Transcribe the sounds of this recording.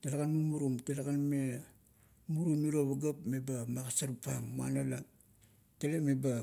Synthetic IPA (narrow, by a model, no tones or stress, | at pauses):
telakanmumuɾumtelakanme | muɾuniɾoβaɡapme̞bamakasaɾupa̰ŋma̰nala | telemeba